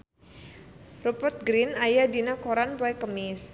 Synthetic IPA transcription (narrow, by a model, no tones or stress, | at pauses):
rupərt̪̚ɡɾinajadinakoɾanpɔɛkəmɪs